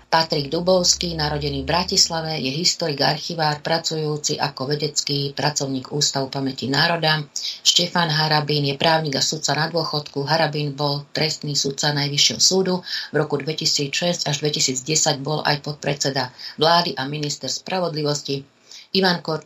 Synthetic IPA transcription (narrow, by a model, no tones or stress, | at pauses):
pat̪ɾiɡd̪ubɔʊskiːnaɾɔɟɛniːvbɾacislaʋɛjɛɦist̪ɔɾiɡa̰ɾxiʋaːɾpɾat͡sujuːt͡siʔakɔʋɛɟɛt͡skiːpɾat͡sɔʊɲiːɡuːst̪aʋupamɛcinaːɾɔd̪aʃcɛfanɦaɾabiːnjɛpɾaːʊɲiːɡasut̪̚t͡sanad̪ʊɔxɔt̪kuɦaɾabiːnbɔlt̪ɾɛst̪niːsut̪̚t͡sanajʋiʃjɛɦɔsuːd̪uvɾɔkud̪ʋɛcisiːt͡sʃɛzcaʒd̪ʋɛcisiːd͡zɟɛsaɟbɔlʔa̰jpɔt̪̚pɾɛt͡sɛd̪aʋlaːd̪iʔaminist̪ɛɾspɾʔaʋɔd̪liʋɔsci | iʋaŋkɔ